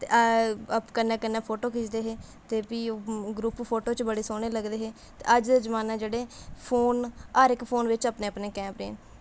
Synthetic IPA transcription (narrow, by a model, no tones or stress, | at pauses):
t̪eəpkənːẽːkənːeːpʰoːʈoːkɪt͡ʃd̪eːɦeː | t̪eːpioːɡɾuːppʰoːʈoːt͡ʃbəɽeːsoːɽ̃eːləɡd̪eːɦeː | t̪ḛːəd͡ʒd̪eːd͡ʒəmaːnãːd͡ʒeːɽeːpʰoːnaːɾɪkpʰoːnʋɪt͡ʃəpneːəpneːkɛ̃ːmpɾḛːn